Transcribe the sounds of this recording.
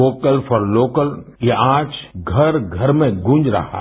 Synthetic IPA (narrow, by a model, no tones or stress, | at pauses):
oːkəlfɔɾloːkəljaaːd͡ʒɡʱɐɾɡʱɐɾmẽɡʊ̃nd͡ʒɾɐ̰ɦa̰